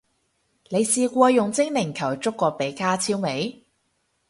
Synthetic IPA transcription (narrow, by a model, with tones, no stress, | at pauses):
ne˨˧jsiː˧kʷɔː˧jʊ˨˩ŋt͡sɪ˥ŋnɪ˨˩ŋkʰɐ˨˩wt͡sʊ˥kːɔː˧pe˨˥jkaː˥t͡sʰiː˥wme˨˧˥j